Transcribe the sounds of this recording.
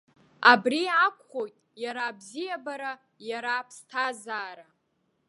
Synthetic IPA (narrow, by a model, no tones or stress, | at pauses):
abriakʷʰʼχojtʼjaɾaːbzijabaɾa | jaɾaːpʰstʰazaːɾa